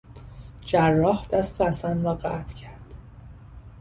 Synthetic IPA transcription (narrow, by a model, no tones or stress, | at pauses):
d͡ʒærːɒːhd̪̥æst̪æsænɾɒːɢæt̪ʰcʰæɾd̪̥